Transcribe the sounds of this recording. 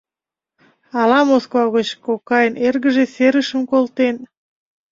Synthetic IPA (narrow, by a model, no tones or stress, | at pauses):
ɑlɑmoskvɑɣot͡ɕkokɑjənerɣəʒeseɾəʃəmkolt̪en